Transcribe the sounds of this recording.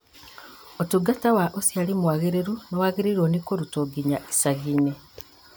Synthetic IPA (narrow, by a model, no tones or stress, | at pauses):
otuɡatawaʔosjalimuwaɣeɾeɾunowaɣeɾiɾonikoɾutoɡiɲai̥saɣine